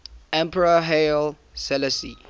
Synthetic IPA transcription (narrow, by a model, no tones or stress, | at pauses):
ɛ̃mpʰəɹaɦel | sɛləsi